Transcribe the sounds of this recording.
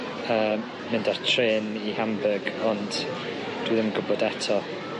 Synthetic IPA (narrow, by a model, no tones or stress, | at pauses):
əː | mɪndartʰreːnihambəɡɔnd̥ | d̥wiðɪməɡʊbɔdɛtʰɔ